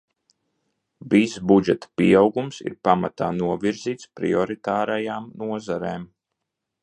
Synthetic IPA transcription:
visbud͡ʒɛt̪ḁpiːawɡumsḭɾpamat̪aːnuɔviɾziːt̪spɾḭɔɾit̪aːɾajaːmnuɔzaɾeːm

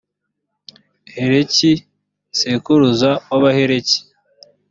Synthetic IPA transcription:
heɾeci | sekuɾuzaoβaheɾeci̥

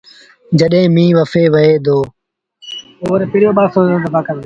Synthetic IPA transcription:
d͡ʒəɗɦẽːmĩːʋəfeːʋəeːd̪oː | oːɾpɪɽjoːɓaːsõːoːɖəbaːkəɾ

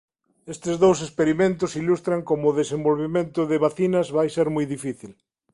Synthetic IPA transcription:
est̪ɪzðowsespeɾimẽnt̪ʊsilust̪ɾɐŋkomʊðesẽmbolβimẽnt̪ʊðɪβaθinɐzβajseɾmujðifiθil

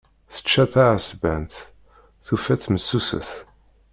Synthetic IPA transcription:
θə̥t͡ʃːæθaʕasbænt̪ | θufæt͡sːməsːusə̰θ

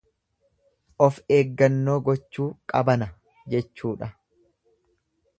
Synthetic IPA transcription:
ʔɔfe̞ːɡːɐnːo̞ːɡɔt͡ʃːuːkʼɐbɐnɐ | d͡ʒɛt͡ʃːuːᶑɐ

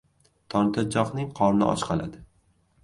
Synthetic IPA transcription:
t̪ʰɒnt̪ʰad͡ʒɒχnɪŋqʰɒɾnɪ̰ʔɒ̰t͡ʃqʰɑlad̪ɪ

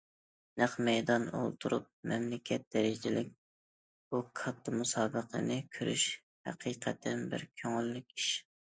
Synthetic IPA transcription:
næχmɛjd̪ɑno̰lˠt̪ʰuɾṵp̚mɛmlɪkʲʰɛt̪̚d̪̥ɛɾɪd͡ʒɪlɪkʲ | ukʰɑt̪ʰːɨmusɑːbəqʰə̰nɪkʲʰyɾy̰ʃ | hæ̰qʰiːqʰɛt̪ʰɛnbɪ̰ɾkʲʰøŋylːykʲiʃ

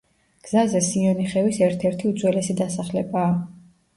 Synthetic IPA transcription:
ɡ̥z̥azɛsiɔniχɛvisɛɾt̪ʰɛɾt̪ʰiud̪zwɛlɛsid̪asaχlɛbaː

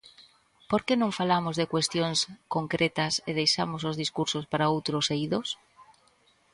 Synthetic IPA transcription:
poɾkenõŋfalamozðekwest̪joŋskoŋkɾet̪ɐseð̞ejʃamosozðiskuɾsospaɾaowt̪ɾʊsejiðos

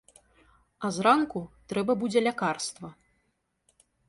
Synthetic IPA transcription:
ɐzrankut̪ɾɛbɐbud͡zʲɛlʲakarst̪vɐ

